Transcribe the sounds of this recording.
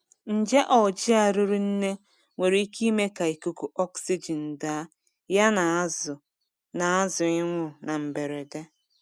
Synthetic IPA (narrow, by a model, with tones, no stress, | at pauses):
n̩˨d͡ʒe˦ʔɔ˨d͡ʒi˦a˨ɾʊ˦ɾu˦n̩˦ne˦ | ŋʷe˨ɾe˨˦i˦ki˦me˦ka˨i˨ku˨ku˨ʔɔ˦ksi˦d͡ʒi˨n̩˨da˦ | ja˦na˨˦zʊ˨ | na˨a˦zʊ˨ɪ˦ŋʷʊ˦na˨m̩˨be˨ɾe˨de˦